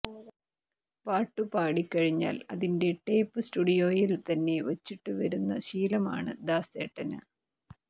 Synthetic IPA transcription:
paːʈːɨpaːɽikʲːɐɻiɲːa̰ːlɐðinde̞ʈːejpːɨsʈuɽijo̞ːjilt̪ɐnːe̞ʋɐt͡ɕːiʈːɨʋɐɾunːɐɕiːlɐma̰ːɳɨd̪aːseːʈːɐnɐ̰

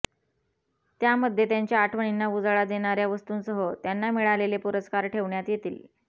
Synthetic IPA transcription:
t̪jaməd̪ʱjet̪jaɲt͡ɕjaːʈʰʋəɳ̃inːaʋud͡zaɭad͡z̪eɽ̃aɾjaʋəst̪uːnsəɦət̪janːamiɭalelepuɾəskaɾʈʰeʋɳjat̪jet̪iːl

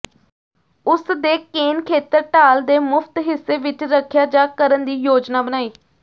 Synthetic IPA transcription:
ʊsd̪eːkeːnkʰeːt̪əɾʈaːld̪eːmʊpʰt̪ɦɪsːeːʋɪt͡ʃɾəkʰːjaːd͡ʒaːkəɾənd̪iːjoːd͡ʒnaːbənaːiː

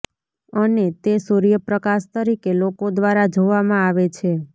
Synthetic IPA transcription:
ənet̪esuɾijəpɾəkaʃt̪əɾikelokod̪ʋaɾad͡ʒoʋamãaʋet͡ʃʰe

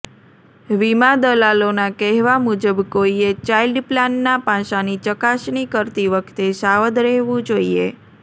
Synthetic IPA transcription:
ʋimad̪əlalonakɛɦʋamud͡ʒəbkoiet͡ʃailɖplanːapãʃanit͡ʃəkaʃnikəɾt̪iʋəkʰt̪esaʋəd̪ɾɛɦʋũd͡ʒoiḛ

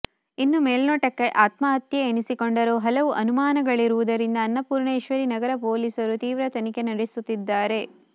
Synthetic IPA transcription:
inːumeːlnoːʈɐkːe̞ʔaːt̪mɐɦɐt̪jeːɳisikoɳɖɐɾuːɦɐlɐʋuʔɐnumaːnɐɡɐɭiɾuʋud̪ɐɾind̪ɐːnːɐpuːɾɳeːʃʋɐɾinɐɡɐɾɐpo̞ːliːsɐɾut̪iːʋɾɐt̪ɐnike̞nɐɾisut̪ːid̪ːaːɾe̞

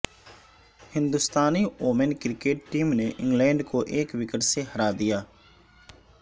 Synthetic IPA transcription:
hɪnd̪ʊst̪aːniːʔoːmənkɪɾɪkeːʈːiːmneːʔɪ̃ŋɡlɛ̃ːɳɖkoːʔeːkʋɪkəʈseːɦəɾaːd̪ɪjaː

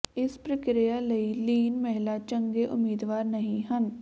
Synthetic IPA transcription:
ɪspɾəkɾijaːləiːliːnmɛɦlaːt͡ʃəŋɡeːʔʊmiːd̪ʋaːɾnəɦĩːɦən

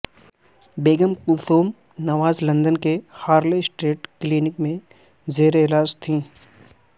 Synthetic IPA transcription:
beːɡəmkʊsoːm | nɐʋaːzlɐ̃nd̪ənkehaːɾlesʈeːʈkliːnɪkmẽ | zeːɾeɪɦlaːd͡ʒt̪ʰĩː

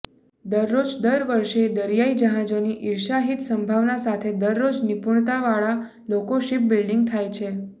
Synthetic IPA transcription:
d̪əɾːod͡ʒd̪əɾʋəɾʃed̪əɾjaid͡ʒəɦãd͡ʒoniʔɪɾʃaɦit̪səmbʱaʋnasat̪ʰed̪əɾːod͡ʒnipuɳ̃t̪aʋaɭa | lokoʃip̚bɪlɖiŋɡ̚t̪ʰajt͡ʃʰe

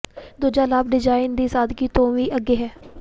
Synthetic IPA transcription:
d̪oːd͡ʒaːlaːbɖɪd͡ʒaːɪnd̪iːsaːd̪kiːt̪õːʋiːʔəɡeːɦɛː

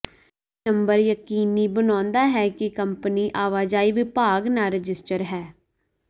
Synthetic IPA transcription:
nəmbəɾjəkiːniːbənãːnd̪aːɦɛːkɪkəmpəniːʔaːʋaːd͡ʒaːiːʋɪpaːɡnaːɾɪd͡ʒɪsʈəɾɦɛː

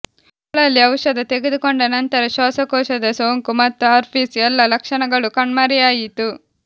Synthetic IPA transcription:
ɐɭɐlːiɐwʃɐd̪ɐt̪e̞ɡed̪ukoɳɖɐnɐnt̪ɐɾɐʃaːsɐkɔːʃɐd̪ɐsoːŋkumɐt̪ːuaːɾpʰiːsɛlːɐlɐkʂɐɳɐɡɐɭukɐɳmɐɾijaːjit̪u

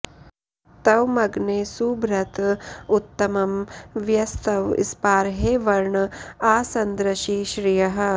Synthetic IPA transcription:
t̪ɐʋmɐɡneːsuːbɾɐt̪ut̪ːɐmɐmʋjɐst̪ɐʋḭspaːɾɦeːʋɐɾɳɐaːsɐnd̪ɾɐʃiːʃɾijɐɦɐ̆

